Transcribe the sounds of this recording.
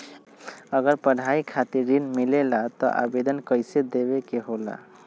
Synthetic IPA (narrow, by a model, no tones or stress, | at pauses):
əɡəɾpəɽ̤aikʰat̪iɾːinmilelat̪ɔ̰ʔa̰bed̪ənkəjsed̪eβekeɦola̰